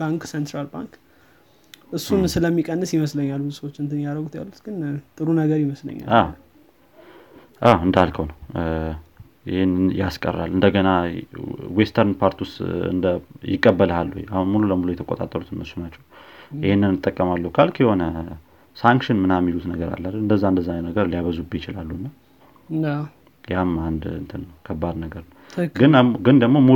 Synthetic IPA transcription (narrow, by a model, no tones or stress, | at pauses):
b̥aŋksent̪ɾalba̰ŋk | ʔɨsːunsɨləmːikʼənːɨsjɪməsləɲːaluusəwot͡ʃːɨnt̪ʰɨnjaɾəɡut̪ja̰lːut̪ɡ̥ɨnt̪ʼɨɾunəɡəɾjɪməslə̰ɲːa̰aw | ʔawɨnd̪alkʰəwnəw | ɪhenɨjaskʼə̰rːa̰lʔɨnd̪əɡəna | west̪ʰəɾnpʰaɾt̪ʰiwʊst̪ɨ̰nd̪əjɪkʼːəbːəlhalːuho̰ja̰hunmululəmuluwjɛt̪ʰəkʼot̪ʼa̰t̪ʼːə̰lut̪ɨnməsunat͡ʃːɛwʔɪhenːɨnɨt̪ʼːəkʼːəmalːəhukʰalkʰiho̞nə | saŋkʃɪnmɨnamːilut̪nəɡəɾa̰lːəlɨnd̪əzːaɨnd̪əzːanənəɡəɾliaβəzubjɪt͡ʃɪlalːuɨnːa | jamand̪ɨ̰nt̪ʰənəwkʰəbːad̪nəɡəɾnə | ɡɨnɡɨnd̪əɡmo̞mu